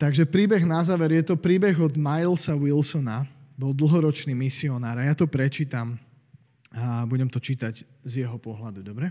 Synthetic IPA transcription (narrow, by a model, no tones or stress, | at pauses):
t̪aɡʒɛpɾiːbɛɣnazaːʋɛɾjɛt̪ɔpɾiːbɛɣɔd̪majlsawilsɔnabɔld̪l̩ˠɦɔɾɔt͡ʃniːmisiɔnaːɾajat̪ɔpɾɛt͡ʃiːt̪am | buɟɛmt̪ɔt͡ʃiːt̪aɟ | zjɛɦɔpɔɦlad̪ud̪ɔbɾɛ